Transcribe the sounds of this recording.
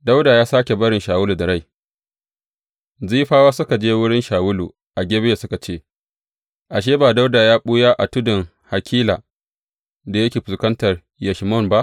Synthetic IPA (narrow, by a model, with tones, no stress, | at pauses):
da˦wdaː˨jaː˦saː˦kʲe˨bɐ˦ɽɪ˨nʃaː˨wʊ˦lu˨da˨ɾa˦˨j | ziː˦ɸaː˦waː˦sʊ˦ka˨d͡ʒeː˦wʊ˦ɽɪ˦nʃaː˨wʊ˦lu˨ | ʔa˨ɡʲeː˦be˦e˨sʊ˦ka˨t͡ʃeː˦ | ʔa˨ʃ̬eː˦baː˨da˦wda˨jaː˦ɓʊ˦jaː˦ʔa˨tʊ˦dɪ˨ŋ | ha˨kʲʰiː˦laː˨ | da˨jɐ˦kʲeː˨ɸʊ˨skɐ˦ntɐ˨r | jɐ˨ʃmɔ˦˨nba˦ʔ